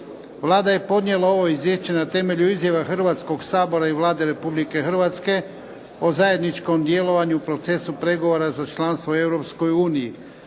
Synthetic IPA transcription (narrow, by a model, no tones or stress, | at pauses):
ʋlaːd̪aje̞po̞d̪nje̞lˠao̞ʋo̞izʋjeʃt͡ɕe̞nat̪e̞me̞ʎuizjaʋaxr̩ʋat̪sko̞ɡsaːbo̞ɾaiʋlˠaːd̪e̞ɾe̞publike̞xr̩ʋat̪ske̞ | ozaje̞d̪nit͡ʃko̞md̪je̞lo̞ʋaɲuupɾo̞t̪se̞supɾe̞ɡo̞ʋo̞ɾazat͡ʃlanst̪ʋoe̞wɾo̞psko̞juːniji